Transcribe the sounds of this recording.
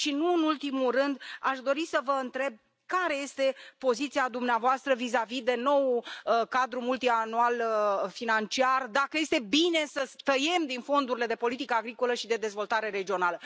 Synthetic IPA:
ʃinuɨnult̪imulrɨnd̪a̰ʃd̪o̞ɾisəvəɨnt̪ɾe̞b̚ | kaɾe̞je̞st̪e̞po̞zit̪siad̪umneavoast̪ɾəvizavid̪e̞no̞wkad̪ɾumult̪ianualfinant͡ʃiard̪akəje̞st̪e̞bine̞səst̪əje̞md̪info̞nd̪uɾile̞d̪e̞po̞lit̪ikəaɡɾiko̞ləʃid̪e̞d̪e̞zvo̞lt̪aɾe̞ɾe̞d͡ʒio̞nalə

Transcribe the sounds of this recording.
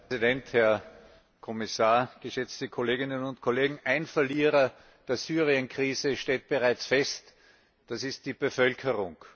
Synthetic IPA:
idɛnthɛɐ | kʰɔmɪsaːɐɡ̥əʃɛt͡stəkʰoleːɡɪnənʊntkʰoleːɡŋ̩ʔæɪnfɐliːʁɐ | d̥eːɐsyːʁiənkʁ̥iːzəʃteːt̚b̥əʁaɪt͡sfɛst | d̥asɪst̚d̥iːb̥əfœlkʰəʁʊŋ

